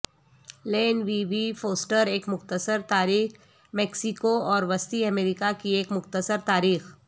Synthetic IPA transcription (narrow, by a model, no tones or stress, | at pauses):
leːnʋiːʋifoːsʈəɾeːkmʊxt̪əsəɾt̪aːɾiːx | mɛːksɪkoɔːɾʋɐst̪iɐmeːɾɪkakieːkmʊxt̪əsəɾt̪aːɾiːx